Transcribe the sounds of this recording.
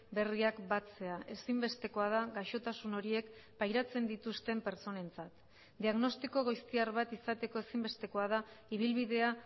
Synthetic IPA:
be̞riakbat͡se̞aʔe̞simbe̞st̪e̞ko̞að̞aɣaʃo̞t̪asuno̞ɾie̞kpajɾat͡se̞nd̪it̪ust̪e̞mpe̞ɾt͡so̞ne̞nt͡sat̪ | d̪iaɣno̞st̪iko̞ɣ̞ojst̪iaɾβat̪isat̪e̞ko̞e̞simbe̞st̪e̞ko̞að̞aiβ̞ilβiðe̞a

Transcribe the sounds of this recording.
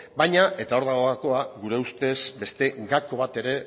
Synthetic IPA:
bajɲaʔe̞t̪ao̞ɾðaɣo̞ako̞aɣuɾe̞ust̪e̞sbe̞st̪e̞ɡako̞β̞at̪e̞ɾe̞

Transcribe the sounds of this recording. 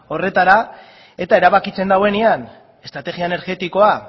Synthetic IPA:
o̞re̞t̪aɾa | e̞t̪ae̞ɾaβakit͡se̞nd̪awe̞nian | e̞st̪ɾat̪e̞ɣiaene̞ɾɣe̞t̪iko̞a

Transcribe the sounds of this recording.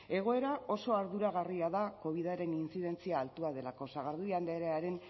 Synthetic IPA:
e̞ɣ̞o̞e̞ɾao̞so̞aɾðuɾaɣ̞ariaðako̞β̞iðaɾe̞nint͡siðe̞nt͡siaːlt̪uað̞e̞lako̞saɣ̞aɾðuand̪eeɾeaɾe̞n

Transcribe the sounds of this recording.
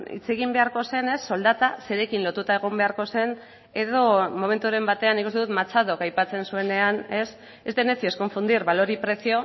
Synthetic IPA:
ḭt͡se̞ɣ̞imbe̞aɾko̞se̞ne̞sːo̞ld̪at̪ase̞ɾe̞kinlo̞t̪ut̪ae̞ɣ̞o̞mbe̞aɾko̞se̞n | e̞ðo̞mo̞me̞nt̪uoɾe̞mbat̪e̞anikust̪eðut̪mat͡saðo̞kajpat͡se̞nsue̞ne̞ane̞s | ezd̪e̞ne̞t͡sie̞sko̞ɱfund̪iɾβalo̞ɾipɾe̞sio̞

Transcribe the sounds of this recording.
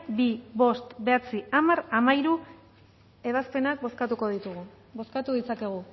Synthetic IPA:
biβo̞st̪be̞at͡siamaɾamaiɾu | e̞β̞aspe̞nak̚boskat̪uko̞ðit̪uɣu | bo̞skat̪uðit͡sake̞ɣ̞u

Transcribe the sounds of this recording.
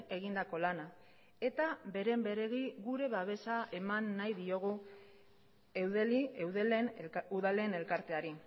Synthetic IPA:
e̞ɣind̪ako̞lana | e̞t̪aβe̞ɾe̞mbe̞ɾe̞ɣiɣuɾe̞βaβ̞e̞sae̞manːajðio̞ɣ̞u | ewðeliewðelenuðale̞ːne̞lkaɾt̪e̞aɾi

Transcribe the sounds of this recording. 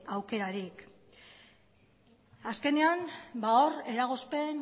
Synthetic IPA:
awke̞ɾaɾik | aske̞ne̞ambaoɾe̞ɾaɣ̞o̞spe̞n

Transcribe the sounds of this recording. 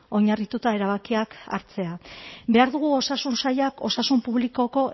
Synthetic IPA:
o̞ɲarit̪ut̪ae̞ɾaβ̞akiaka̰ɾt͡se̞abe̞aɾðuɣuo̞sasunsajako̞sasumpuβliko̞ko̞

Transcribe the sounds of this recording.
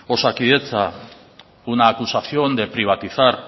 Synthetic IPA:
o̞sakiðe̞t͡sa | unaːkusaθiond̪e̞pɾiβ̞at̪iθar

